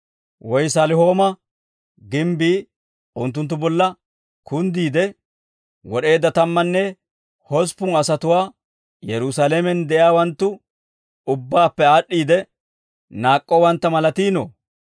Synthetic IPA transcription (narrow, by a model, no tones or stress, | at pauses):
wɔjsalɪɦo̞ːmɐ | ɡɪmbiː | ʊnt̪ːʊnt̪ːʊbɔlːɐ | kʰʊnd̪iːd̪ɛ | wɔɗe̞ːd̪ːɐt̪ɐmːɐnːɛ | hɔspːʊnɐsɐt̪ʊwaː | jɛɾʊsalemɛnd̪ɛʔjaːwɐnt̪ːʊ | ʊbːaːpːɛaːɗːiːd̪ɛ | naːkʼːɔwɐnt̪ːɐmɐlɐt̪iːnɔ̰